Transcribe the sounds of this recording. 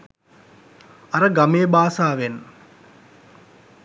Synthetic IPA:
ɐɾɐɡɐmeːbaːsaːʋen

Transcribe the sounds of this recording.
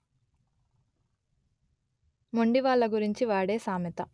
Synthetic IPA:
muɳɖiʋaːɭːɐɡuɾiɲt͡ʃiʋaːɽe̞ːsaːmjɐt̪ɐ

